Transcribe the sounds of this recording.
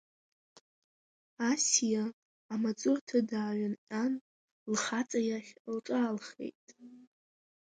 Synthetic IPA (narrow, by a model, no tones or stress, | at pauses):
asijaː | mat͡sʼʊrtʰadaːɥanʔʼan | lχat͡sʼajaχʲlʈ͡ʂʼaːlχe̞̰jtʼ